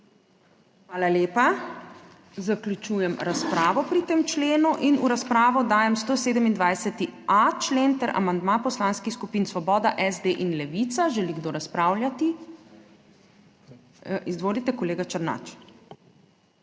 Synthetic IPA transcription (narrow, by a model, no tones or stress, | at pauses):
xʋaːlaleːpa | zaklʲjut͡ʃuːjɛmɾaspɾaːʋɔpɾit̪emt͡ʃleːnuʔinuɾaspɾaːʋɔd̪aːjɛmst̪oseːd̪əmind̪ʋajsɛt̪iat͡ʃleːnt̪ɛɾa̰mand̪mapɔslanskixskupiːnsʋɔbɔːd̪aʔɛzd̪eʔinlɛʋit̪saʒɛliɡd̪oːɾaspɾaːwlʲjat̪i | izʋoːlit̪ɛkɔleːɡat͡ʃɐɾna̰t͡ʃ